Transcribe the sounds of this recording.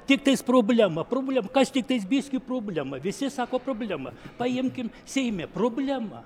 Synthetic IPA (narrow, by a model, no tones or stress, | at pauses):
t̪ʲɪk̚t̪ɐɪspɾoːbʲlʲɛmɐpɾoːbʲlʲɛmɐkɐst̪ʲɪk̚t̪ɐɪsbʲisʲkʲiːpɾoːbʲlʲɛmɐʋʲɪsʲɪsɑːkoːpɾoːbʲlʲæmɐ̰pɐjɪmʲkʲɪm | sʲɛɪmʲɛproːbʲlʲɛmɐ̰